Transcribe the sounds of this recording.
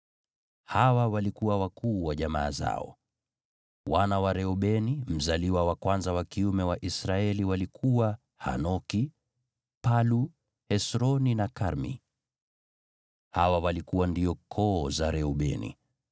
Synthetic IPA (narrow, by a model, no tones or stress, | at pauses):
hawawalikuwawakuːwaʄama̰ːza̰ɔ̰ | wanawaɾɛɔɓɛnim̩zaliwawakwanzawakiumɛwaʔisɾaɛliwalikʰuwa | ha̰nɔki | palu | hɛsɾɔninakaɾmḭ | hawawalikuwandiɔkʰɔzaɾɛɔɓɛ̰nḭ